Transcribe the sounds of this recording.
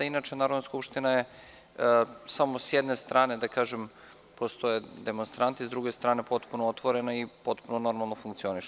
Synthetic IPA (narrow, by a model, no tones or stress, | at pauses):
inat͡ʃenaːɾod̪naskupʃt̪inaje | samosjed̪nest̪ɾaːned̪akaːʒem | post̪ojed̪emonst̪ɾant̪izd̪ɾuɡest̪ɾaːnepo̞t̪punoot̪ʋoɾenaipo̞t̪punono̞ɾmalˠnofuŋktsio̞niʃ